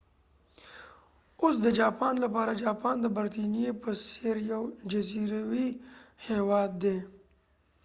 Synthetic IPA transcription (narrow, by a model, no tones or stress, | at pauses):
ʊsd̪əd͡ʒaːpaːnlapɑːɾad͡ʒaːpaːnd̪əbəɾt̪inijepəseɾjawd͡ʒɐziɾawiheːwɑːd̪̚ːe